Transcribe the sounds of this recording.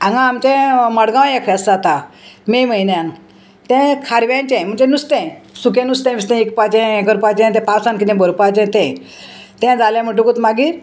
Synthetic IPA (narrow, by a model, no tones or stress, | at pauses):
ãŋɡãːmt͡ɕɛ̃məɽɡãwjekʰeəst͡sat̪a | meməinjan | t̪ɛ̃kʰaɾʋãnt͡ɕẽm̤əɳt͡ɕẽnust̪ɛ̃sukẽnust̪ɛ̃mist̪ɛ̃ekpat͡ɕɛ̃ekəɾpat͡ɕɛ̃t̪ɛ̃pasankit̪ɛ̃bəɾpat͡ɕɛ̃t̪ɛ̃ | t̪ɛ̃d͡zalãm̤əʈ̬ukut̪maɡiːɾ